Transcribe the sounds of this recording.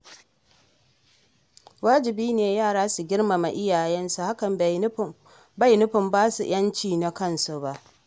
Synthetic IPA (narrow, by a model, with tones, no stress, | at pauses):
waː˦d͡ʒɪ˨biː˦neː˨jaː˦˨ɽaː˦su˨ɡʲɪ˦ɽma˨ma̰˨ʔɪ˦jaː˨jɛ˦nsu˨ha˦kɐ˨m | ba˦jnʊ˦ɸɪ˨mbaː˦sṵ˨j̰ɐ˦nt͡ʃiː˦˨na˨kɐ˦nsu˨ba˦ʔ